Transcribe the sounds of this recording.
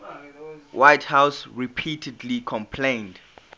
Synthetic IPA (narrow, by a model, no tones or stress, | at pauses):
wʔajthawsɹipʰitʰɛdlikʰɔ̃mpʰlẽnd